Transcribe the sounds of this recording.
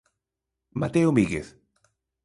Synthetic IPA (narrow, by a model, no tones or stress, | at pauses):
ma̰t̪eomiɣeθ